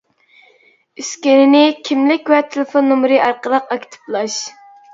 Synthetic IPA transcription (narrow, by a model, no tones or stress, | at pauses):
yskʲenɪnɪkʲʰimlɪkʲwɛt̪ʰelɪfonːomɾɨʔɑɾqəɾəqɑkʲʰi̥t̪ʰɨ̥plˠɑʃ